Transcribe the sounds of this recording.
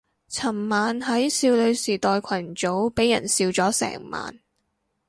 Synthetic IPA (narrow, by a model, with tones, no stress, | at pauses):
t͡sʰɐ˨˩mmaː˨nɦɐ˨˥jsiː˧wlɵ˨˧ɥsiː˨˩t̪ɔː˧jkʷʰɐ˨˩nt͡so˨˥wpe˨˥jːɐ̰˨˩nsiː˧wt͡sɔː˨˥sɛ̰ː˨˩ŋma̰ː˨n